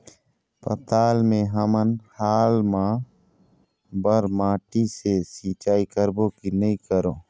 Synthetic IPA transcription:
pə̰t̪aːlmẽɦəmənhaːlmã | bəɾmãːʈisesiːt͡ʃaːikəɾbõkinəĩkəɾoː

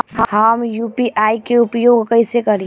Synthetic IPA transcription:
hhəmjuːpiʔaːikeʊpjoːɡkɐɪsekɐɾi

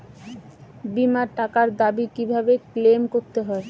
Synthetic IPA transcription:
bimaɾʈakaɾd̪abikibʱabeklemkoɾt̪eɦɔe

